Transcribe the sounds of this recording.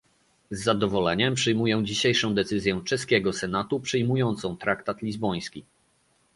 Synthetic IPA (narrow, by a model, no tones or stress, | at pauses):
zːad̪ɔvɔlɛɲɛmpʂɘjmujɛw̃d͡ʑiɕejʂɔ̃w̃d̪ɛt̪sɘzʲjɛw̃t͡ʂɛskʲɛɡɔsɛnat̪upʂɘjmujɔnt̪sɔ̃w̃t̪ɾakt̪at̪lʲizbɔj̃skʲi